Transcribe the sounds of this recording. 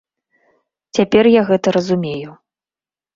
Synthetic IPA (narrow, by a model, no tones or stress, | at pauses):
t͡sʲapʲɛrjaɣɛt̪ɐɾɐzumʲeju